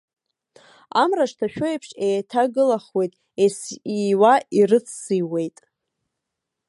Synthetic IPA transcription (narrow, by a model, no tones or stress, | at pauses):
amraʂtʰaʃᶣoepʰʂejtʰaɡɨlaχwe̞jtʼ | esiwaʔirɨt͡sʰsiwe̞jtʼ